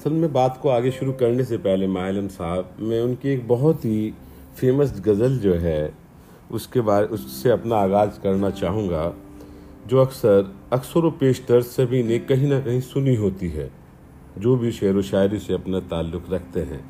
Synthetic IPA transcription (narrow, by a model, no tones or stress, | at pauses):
ɐsəlmɛ̃baːt̪koaːɡeʃʊɾukɐɾnesepɛɦlemaːləmsaːbmɛ̃ʊnkieːk̚bɐɦɔt̪ɦi | feːməsɡɐzəld͡ʒoːɦɛ | ʊskebaːɾeʊsseɐpnaːɣaːd͡ʒkɐɾnat͡ʃaːɦũːɡa | d͡ʒoːɐksəɾɐksəɾopeːʃt̪əɾsɐbʱinekɐɦĩnɐkɐɦĩsʊniɦoːt̪iɦɛ̰ː | d͡ʒoːbʱiʃɛːɾoʃaːɪɾiseɐpnat̪aːlːʊkɾɐk̚ʰt̪eɦɛ̰̃ː